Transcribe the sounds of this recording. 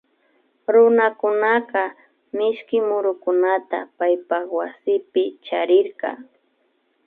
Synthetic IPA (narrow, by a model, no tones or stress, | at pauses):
ɾʊnakʊnaqɑ | mɪʃkɪmʊɾʊkʊnat̪a̰pajpakwasɪpɪt͡ʃaɾɪɾqɑ̰